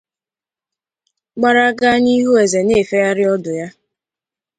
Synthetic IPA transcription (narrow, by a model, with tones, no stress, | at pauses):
k͡pa˦ɾa˦ɡa˦ɲi˦ɦu˦e˨ze˨ne˦˨fe˦ja˦ɾɪ˦ɔ˦dʊ˨ja˦